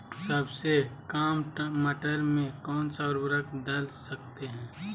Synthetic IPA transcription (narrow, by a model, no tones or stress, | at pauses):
səbsekaːmməʈəɾmẽkɔːnsaɔɾbəɾəkd̪əlsək̚t̪eɦɛ̃ː